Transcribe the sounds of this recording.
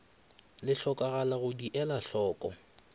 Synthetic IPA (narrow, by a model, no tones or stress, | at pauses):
lɪɬɔkaɣalaɣʊdiʔɛlaɬɔːkʼɔ̰